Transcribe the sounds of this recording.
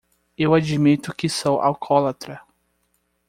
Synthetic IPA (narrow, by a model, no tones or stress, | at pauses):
ewad͡ʒimit̪ʊkɪsowʔa̰wkʰɔlat̪ɾɐ